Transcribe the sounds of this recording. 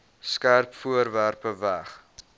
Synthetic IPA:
skærpfuərværpəvæχ

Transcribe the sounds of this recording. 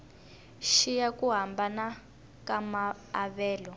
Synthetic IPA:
ʃijakuɦambana | kamaː | βɛːlɔ

